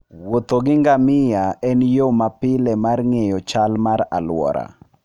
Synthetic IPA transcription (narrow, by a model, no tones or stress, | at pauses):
wot̪oɡɪŋɡamɪjaɛnjomapɪlɛmarŋejɔt͡ʃalmaɾa̰lwɔ̰ɾa̰